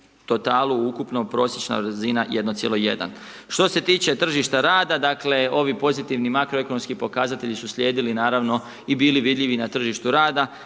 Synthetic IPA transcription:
t̪o̞t̪aːlˠuukupno̞pɾo̞ːsjet͡ʃna̰ʋɾzinajʔe̞d̪no̞t̪sjelo̞je̞̰d̪a̰n | ʃt̪o̞se̞t̪iːt͡ʃe̞t̪r̩ʒiʃt̪aɾaːd̪ad̪akle̞o̞ʋipo̞zit̪iʋnimakɾoe̞ko̞no̞mskipo̞kazat̪e̞ʎisusʎʲeːd̪ilinaːɾaʋno̞ | ibiːliʋid̪ʎʲiʋinat̪r̩ʒiʃt̪uɾaːd̪a

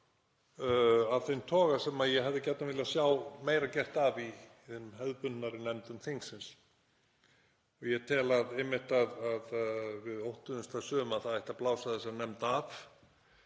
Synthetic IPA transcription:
aðθent̪ʰɔːɣasɛmaðjɛɦɛvðɪcɛt̪navɪlasjawmeːjɾacɛr̥t̪avi | θenːmɦœðpʏnnaɾɪnɛmt̪ʏmθeŋsɪns | ɔɣjɛt̪ʰɛːlaðɪmːɪht̪aðaðvɪðowht̪ʏðʏmst̪ʰasʏːʏmaðθaðɛht̪aplaːwsaðɪsɛmnɛmt̪af

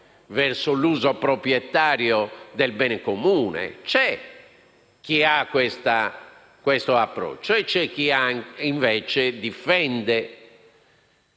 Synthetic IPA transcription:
vɛɾsoluːzopɾopɾjɛt̪ːaːɾjɔd̪ɛlbɛːnɛkomuːnɛ̰t͡ʃɛ | k̟ːiakːwɛst̪a | kwɛst̪oapːɾɔ̰t͡ʃːoɛt͡ʃːɛk̟ːiaiɱvɛːt͡ʃɛd̪ifɛnd̪ɛ

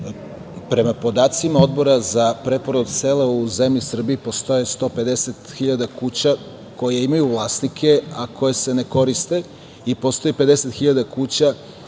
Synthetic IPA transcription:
pɾe̞mapo̞d̪aːt̪simao̞d̪bo̞ɾazapɾe̞poɾod̪selauzemʎisr̩biːpo̞st̪ojest̪o̞ːpe̞d̪e̞set̪xiʎad̪akut͡ɕa | ko̞jeimajuvlˠaːst̪nikʰe̞akʰo̞je̞se̞ne̞ko̞ɾist̪e̞ | ipo̞st̪o̞jepe̞d̪e̞se̞t̪xiʎad̪akut͡ɕa

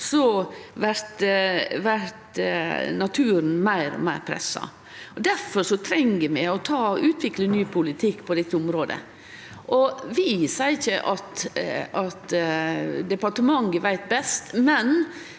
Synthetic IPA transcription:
sɔʋæɾt̪ʋæɾt̪nɑt̪ʰʉːɾn̩mæɪɾɔ̰mæɪɾpʰɾɛ̰sːɑ̰ | ɔd̪æɾfɔʂɔt̪ʰɾɛŋɡəmɛɔt̪ʰɑːɔʉːt̪ʰʋɪklənyːpʰʊlɪt̪ʰɪkːpʰɔd̪ɛt̪ːəʊmɾoːd̪ə̰ | ʔɔʋɪsæɪɪçəʔɑt̪ɑt̪ | d̪ɛpɑʈəmɑŋɡəʋæɪt̪̚bɛst̪mɛn

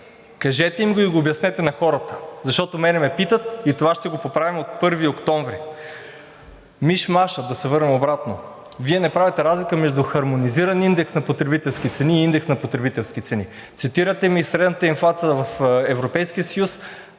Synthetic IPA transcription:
kɐʒɛt̪ɛimɡoiɡoːbjɐsnɛt̪ɛnɐxɔɾət̪ə̥zɐʃt̪ɔt̪omɛnɛmɛpit̪ət̪̚it̪ovaʃt̪ɛɡopopɾavimot̪̚pɤɾviokt̪ɔɱvɾi | miʃmaʃəd̪ɐsɛvɤɾnɛmobɾat̪no | viɛnɛpɾavɛt̪ɛɾazlikəmɛʒd̪uxɐɾmoniziɾɐnind̪ɛksnɐpot̪ɾɛbit̪ɛlˠsk̟it̪sɛniːind̪ɛksnɐpot̪ɾɛbit̪ɛlˠsk̟it̪sɛni | t̪sit̪iɾət̪ɛmisɾɛd̪nət̪əinflˠat̪sijəvɐfɛvɾopɛjskiəsɐjus

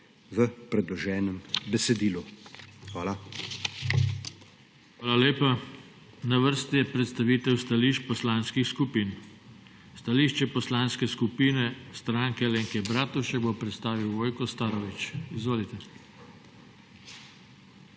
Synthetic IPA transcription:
ʋəpɾɛd̪lɔʒɛːnɛmbɛsɛd̪iːluxʋaːla | xʋaːlaleːpa | naʋəɾst̪ijɛpɾɛt̪st̪aʋiːt̪ɛwst̪aliːʃt͡ʃpɔslaːnskixskupiːn | st̪aliːʃt͡ʃɛpɔslaːnskɛskupiːnɛst̪ɾaːŋkɛleːŋkɛbɾaːt̪uʃɛɡbopɾɛt̪st̪aːʋiwʋoːjkɔst̪aːɾɔʋit͡ʃizʋoːlit̪ɛ

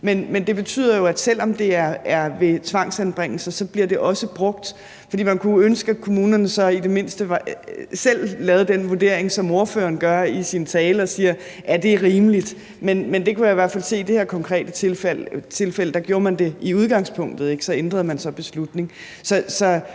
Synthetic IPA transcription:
menmend̥e̝b̥e̝t͡sʰy̰ð̰ˠɐjo̝æd̥sel̰ɒ̽md̥e̝æɐæɐʋe̝t͡sʰʋɑ̈ŋ̰sænb̥ʁeŋ̰l̩sɐsɒ̽b̥liɐde̝ʔɒ̽səb̥ʁɔ̽ɡ̥d̥ | ffɒ̽d̥ḭːmænkʰuønsɡ̥əækʰo̝muːnɐnəsɒ̽id̥e̝me̝nsd̥əʋsel̰lːɛːðˠd̥enʋuɐd̥e̝ɐ̰eŋsɒ̽mo̝ɐfø̰ːɐnɡ̥ɶɐisint͡sʰɛːlɒ̽siːɐ | æd̥e̝æʁiːməlid̥ | menmend̥e̝kʰujäiʋæɐ̥fælse̝̰ːid̥e̝he̝ɐkʰɒ̽ŋkʰʁɛ̰ːd̥ət͡sʰe̝lfæl̰ət͡sʰe̝lfel̰əd̥ɑɡ̥jo̝ːɐmænd̥e̝iuð̞ˠɡ̥ɑ̈ŋspʰɔ̽ŋ̰d̥ð̞̩ˠeɡ̥sɒ̽end̥ʁɐðˠmænsɒ̽b̥e̝slud̥ne̝ŋ | sɒ̽sɒ̽

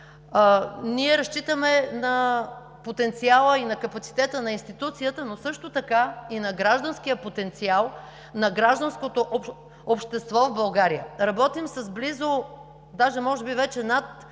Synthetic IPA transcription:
niɛɾɐʃt͡ʃit̪əmɛnɐ | pot̪ɛnt̪sialˠəinɐkɐpɐt̪si̥t̪ɛt̪ənɐinst̪it̪ut̪sijət̪ənosɤʃt̪ot̪ɐkainɐɡɾaʒd̪ɐnskijəpot̪ɛnt̪sialˠ | nɐɡɾaʒd̪ɐnskot̪oʔ | opʃt̪ɛst̪vɔvbɐlˠɡaɾiə̰ɾɐbɔt̪imsɐzblizo | d̪aʒɛmɔʒɛbivɛt͡ʃɛnat̪

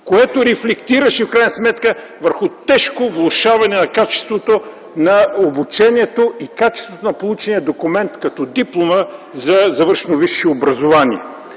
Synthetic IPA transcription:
koɛt̪oɾɛflɛkt̪iɾəʃifkɾajnəsmɛt̪kə | vəɾxʊt̪ɛʃkovlˠʊʃavɐnɛnɐkat͡ʃɛ̥st̪vot̪o | nɐobut͡ʃɛnʲiɛt̪oikat͡ʃɛ̥st̪vot̪onɐpolˠut͡ʃɛniɐd̪okumɛnt̪kɐt̪ɔd̪iplˠoməzɐzɐvəɾʃnoviʃːiobɾɐzovaniɛ̰

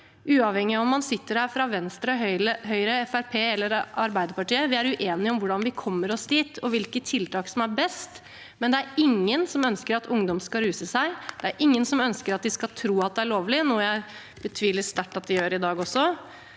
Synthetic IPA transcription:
ʔʉːɑʋhɛŋːɪɑɔmːɑnsɪt̪ːəɾhæːɾfɾɑʋɛnst̪ɾəœɦœʏɾəɛfæɾpʰeːɛlːəɾʔɑɾbæɪd̪əɾpɑʈiːəʋɪæɾʉʔeːnɪɔmʋʊɖɑnʋɪkʰɔmːəɾɔsd̪iːt̪ʰɔʋɪlkət̪ʰːɪlt̪ʰɑːksɔmæɾbɛst̪ | mɛnd̪ɛæɾɪŋːənsɔmœnskəɾɑt̪ʰʊŋd̪ɔmskɑɾʉːsəsæɪd̪̥ɛæɾʔɪŋːənsɔmœnskəɾɑt̪̚d̪ɪskɑlt̪ʰɾuːɑt̪̚d̪ɛæɭoːʋlɪnuːjæɪ | b̥ət̪ʰʋiːlɪt̪st̪æʈːɑt̪̚d̪ɛjøːɾɪd̪ɑːɡɔsɔ

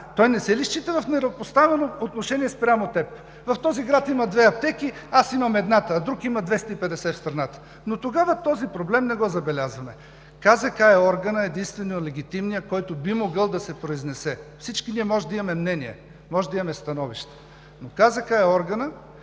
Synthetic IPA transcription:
t̪ɔjnɛsɛliʃt͡ʃit̪ɛvɐfnɛɾɐopost̪avɛnoot̪noʃɛniɛspɾʲamot̪ɛp | vɐft̪ɔziɡɾat̪imɐd̪vɛɐp̚t̪ɛkiasimɐmɛd̪nat̪əːd̪ɾukimɐd̪vɛst̪əipɛd̪ɛsɛfst̪ɾɐnat̪ə̥ | not̪oɡavət̪ɔzipɾoblɛmnɛɡɔzɐbɛlʲazvɐmɛ | kazɐkaɛɔɾɡənəɛd̪inst̪vɛnoəlɛɡʲit̪imnijəkɔjt̪obimoɡɤlˠd̪ɐsɛpɾoiznɛsɛfsit͡ʃkiniɛmɔʒɛd̪ɐimɐmɛmnɛniɛ̰ | mɔʒɛd̪ɐimɐmɛst̪ɐnɔviʃt̪ɛ̥ | nokazɐkaɛɔɾɡənə

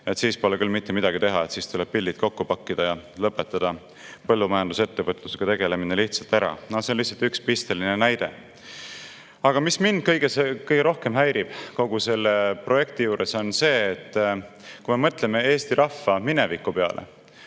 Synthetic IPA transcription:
e̞t̪siːspo̞lekylmit̪ːemid̪̥ɑɡit̪e̞ɦɑet̪siːst̪uleb̥̚pild̪it̪̚ko̞kːupɑkːid̪̥ɑjɑlɤpːˑe̞t̪ːˑɑd̪̥ɑ | pɤlːumɑjɑnd̪̥uset̪ːevɤt̪luseɡ̥ɑt̪e̞ɡ̥e̞le̞mineliht̪sɑlt̪æɾɑ̰nosenlihsɑlt̪ykspist̪e̞linenæjd̪̥e̞ | ɑɡ̥ɑmismind̪̥̚kɤjɡ̥esekɤjɡ̥eɾo̞hke̞mɦæjɾib̥ko̞ɡ̥use̞lːepro̞je̞k̚t̪ijuːɾe̞so̞nse̞ːt̪ː | kumemɤt̪le̞me̞e̞ːst̪iɾʔɑfːɑminevikːˑupe̞ɑ̰lʔe̞̰

